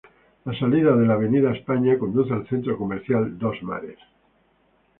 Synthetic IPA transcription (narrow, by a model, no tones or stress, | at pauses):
lasaliðaðelaːβ̞eniðaespaɲakond̪uθealθent̪ɾokomeɾθjald̪ozma̰ɾes